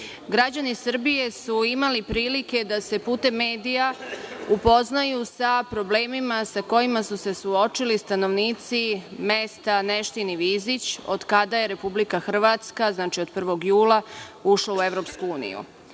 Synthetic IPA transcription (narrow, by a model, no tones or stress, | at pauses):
ɡɾad͡ʑanisr̩bije̞suimalipɾiːlike̞d̪ase̞puːt̪e̞mːe̞ːd̪ijaupo̞znajusapɾo̞ble̞ːmimasako̞jimasuse̞suo̞t͡ʃilist̪ano̞ʋniːt̪sime̞st̪ane̞ʃt̪iniʋiːzit͡ɕo̞̰d̪kad̪aje̞ɾe̞publikaxr̩ʋat̪skaznaːt͡ʃio̞d̪pr̩ʋo̞ɡjuːlauʃlˠaue̞ʋɾo̞pskuuːnḭjṵ